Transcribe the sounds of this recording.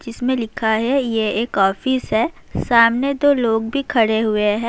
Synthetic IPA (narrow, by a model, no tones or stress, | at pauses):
d͡ʒɪsmẽlɪkʰaɦɛjeeːkɔːfɪsɦɛː | saːmned̪oːloːɡbʱikʰɐɽeɦʊeɦɛ̃ː